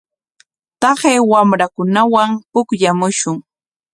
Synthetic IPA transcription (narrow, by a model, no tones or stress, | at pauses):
t̪ɑχeːwamɾakʊnawampʊkʎamʊʃʊŋ